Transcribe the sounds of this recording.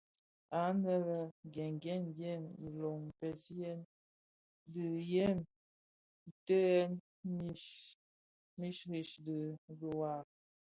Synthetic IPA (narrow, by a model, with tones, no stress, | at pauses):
a˨˦nə˦lə˦ɡɛ˨ŋɡɛ˦nɡɛ˦˨mdi˨lo˨ŋm˨pɛ˨sjɛ˦n | də˨jɛ˦m̩˨ | tə˦ɛ˦n | mi˦ | mi˦ʃɾi˨ʃdi˨də˨wa˨